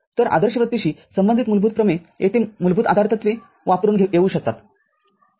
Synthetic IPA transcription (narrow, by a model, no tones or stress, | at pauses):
t̪əɾʔa̰d̪əɾɕəʋət̪ːiɕiːsəmbənd̪it̪mulbʱuːt̪̚pɾəmeet̪ʰemulbʱuːt̪a̰d̪ʱaɾt̪ət̪ʋe | ʋapɾuːnɡʱeɡeuːɕək̚t̪at̪